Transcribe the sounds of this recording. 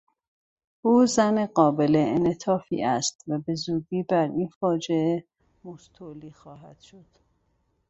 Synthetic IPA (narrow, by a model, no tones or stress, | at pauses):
ʔuːzæneɢɒːbeleenet̪ʰɒːfḭʔæst̪væbe̞zuːɟiːbæɾinfɒːd͡ʒee | most̪ʰoliːxɒːɦæd̪̥ʃod̪̥